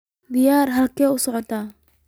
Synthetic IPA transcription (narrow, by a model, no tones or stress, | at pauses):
d̪ɪjaːrɦɐlkʰɛːʊsɔʕɔt̪ʰaː